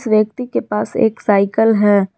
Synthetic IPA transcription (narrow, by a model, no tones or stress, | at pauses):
sʋjək̚t̪ikepaːsḛːksaːɪkəlɦɛː